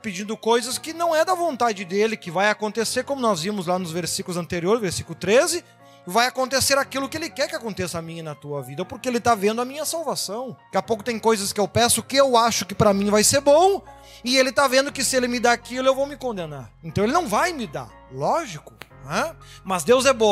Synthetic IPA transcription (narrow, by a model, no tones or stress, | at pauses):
pɪd͡ʒĩnd̪ʊkojzɐskɪnɐ̃w̃ɛd̪ɐvõnt̪ad͡ʒɪd̪elɪkɪvajakõnt̪eseɾkõmʊnɔzvĩmʊzlanʊzveɾsikʊlʊzɐ̃nt̪eɾioɾzveɾsikʊlʊt̪ɾezɪ | ɪvajakõnt̪eseɾakilʊkɪelɪkɛɾkɪakõnt̪esɐamĩɲɐnɐt̪uɐvid̪ɐpoɾkɪelɪt̪avẽnd̪ʊɐmĩɲɐsawvasɐ̃w̃kɪapowkʊ̥t̪ẽj̃kojzɐskɪewpɛsʊkɪewaʃʊkɪpɾɐmĩvajseɾbõw̃ | ɪelɪt̪avẽnd̪ʊkɪsɪelɪmɪd̪aakilʊewvowmɪkõnd̪ena̰ɾẽnt̪ɐ̃w̃elɪnɐ̃w̃vajmɪd̪a̰ɾ | lɔʒikʊ̥ | ɛmɐzd̪ewzɛbõ